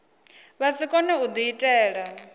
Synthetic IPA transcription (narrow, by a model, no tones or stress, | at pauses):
βasikʼɔnɛud̪iitʼɛːɺa